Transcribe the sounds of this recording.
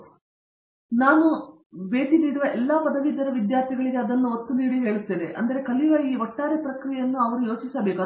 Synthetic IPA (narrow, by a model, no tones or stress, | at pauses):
naːnu | be̞ːʈid̪iɽuʋɐʔɛlːaːpɐd̪ɐʋid̪ɐɾɐʋid̪jaːɾt̪ʰiɡɐɭiɡeɐd̪ɐnːuot̪ːuniːɽiɦe̞ːɭut̪ːid̪eʔɐnd̪ɐɾe̞kɐliʋɐiːʋɐʈːaːɾepɾɐkɾijjɐnːuɐʋɐɾujo̞ːt͡ʃisɐbeːka